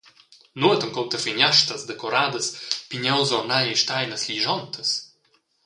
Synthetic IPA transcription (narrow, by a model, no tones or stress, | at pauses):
nuət̪ɔmkɔwt̪əfinʲaʃt̪ɐsd̪ɛkɔɾaːd̪əspʲinʲɛwzɔnajɛjʃt̪ajnɐslʲiʒɔnt̪ʰəs